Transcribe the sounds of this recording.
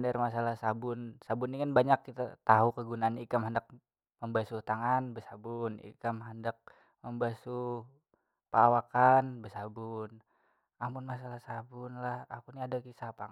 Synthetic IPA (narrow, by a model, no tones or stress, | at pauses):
ndarmasalahsabʊnsabʊnːikanbaɲakːit̪at̪aɦukəɡunaːnaikamhandak̚ | məmbasut̪aŋanbəsabʊnḭkamɦandak̚ | məmbasu | pəawakanbəsabun | amʊnmas̬alahsabʊnlahapuniadakisapaŋ